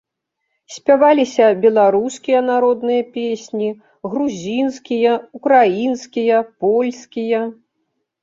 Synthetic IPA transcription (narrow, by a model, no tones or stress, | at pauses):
sʲpʲavalʲisʲɐbʲɛlˠaɾuskʲijɐnaɾɔd̪nɨjɐpʲesʲnʲi | ɣɾuzʲinskʲijɐukɾajinskʲijɐpɔlʲskʲijɐ